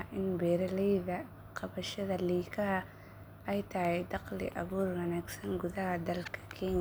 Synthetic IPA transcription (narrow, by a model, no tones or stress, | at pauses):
ʔɪnbɛːɾɐlɛjðɐ | qʰɑβɐʃɐðɐliːkʰɐhɐ | ʔɛjt̪ʰɐhɛd̪ɑqlɪ̰ʔɐ̰βuːrwɐnaːɡsɐnɡʊðɐhɐd̪ɐlkʰɐ̥kʰɛːɲ